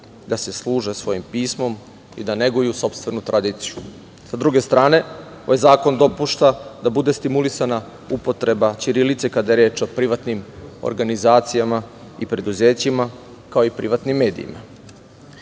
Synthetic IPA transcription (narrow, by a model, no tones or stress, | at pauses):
d̪ase̞slˠuːʒe̞sʋo̞jimpiːsmo̞m | ḭd̪ane̞ɡujuso̞pst̪ʋe̞nut̪ɾʔad̪iːt̪siju | sad̪ɾuɡe̞st̪ɾaːne̞ojzaːko̞nd̪o̞puʃt̪ad̪abud̪e̞st̪imulisana | upo̞t̪ɾe̞bat͡ɕiɾilit̪sekad̪aje̞ɾe̞ːt͡ʃo̞pɾiʋat̪nimo̰ɾɡanizaːt̪sijama | ipɾe̞d̪uze̞ːt͡ɕima | kaoipɾiʋat̪nimːe̞ːd̪ḭḭma